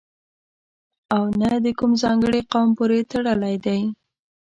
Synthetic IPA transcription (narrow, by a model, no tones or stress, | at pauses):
awnad̪əkumzɑŋɡəɽeqawmpoɾet̪aɽəlajd̪aj